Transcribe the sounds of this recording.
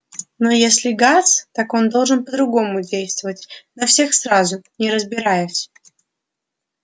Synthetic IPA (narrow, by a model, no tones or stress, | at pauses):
no̞jesʲlʲɪɡast̪ako̞nd̪o̞lˠʐɨnpəd̪ɾʊɡo̞mʊdʲejst̪vəvətʲnɐfsʲe̞xsɾazʊnʲɪɾəzbʲɪɾajʊsʲ